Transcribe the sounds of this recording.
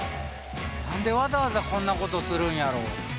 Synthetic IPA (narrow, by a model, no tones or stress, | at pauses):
nãnd̪e̞βazaβazakõ̞nːako̞t̪o̞sɨɾɯ̟̃ɰ̃jaɾo̞̰ː